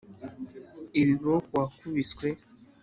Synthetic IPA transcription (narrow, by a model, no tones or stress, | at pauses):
iβiβokwakuβiskwe